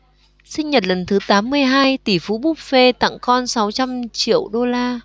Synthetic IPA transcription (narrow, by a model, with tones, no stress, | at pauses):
sï˧ŋ̟ɲə˨˩t̚lə˨˩nt̪ʰɨ˨˦t̪aː˨˦mːɨ˧əjɦaː˧jt̪i˧˩fu˨˦ɓu˦˥p̚fe˧t̪a̰˧˨ŋkɔ˧nsa˨˦wt͡ɕa˧mt͡ɕḭ˧˨əwɗo˧laː˧